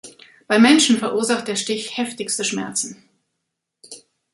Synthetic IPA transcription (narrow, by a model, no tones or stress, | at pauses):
b̥aɪmɛnʃn̩fɛɐʔuɐzaχt̚d̥eːɐʃtɪçhɛftɪçstəʃmɛ̰ɐt͡sn̩